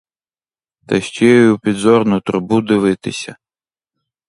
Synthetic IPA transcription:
t̪ɐ̰ʃt͡ʃɛjjɔjupʲid̪zɔɾnʊt̪ɾʊbud̪ɪʋɪt̪ɪsʲɐ

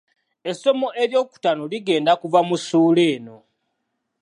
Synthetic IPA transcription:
e̞so̞moʔe̞ɾjo̞ːku̥tanoliɡe̞ːndakuvamusuːle̞ːno̞

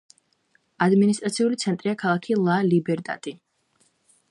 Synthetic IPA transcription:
ad̪minis̬t̪ʼɾat̪sʰiulit̪sʰɛnt̪ʼɾiakʰalˠakʰilˠalibɛɾd̪a̰t̪ʼi

